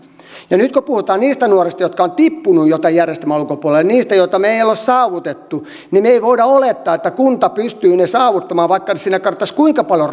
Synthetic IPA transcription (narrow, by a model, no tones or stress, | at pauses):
jɑnyt̪kopuhut̪ɑːnniːst̪ænuorist̪ɑjot̪kɑont̪ipːunujjot̪ɑijjærjest̪elmæulkopuolelniːst̪æjoit̪ɑmeijælossɑːʋut̪et̪ːu | nimeiʋoidɑolet̪ːɑːet̪ːækunt̪ɑpyst̪yːnesɑːʋut̪ːɑmɑːʋɑikːɑnesiːnækɑrt̪ːɑskuiŋkɑpɑljo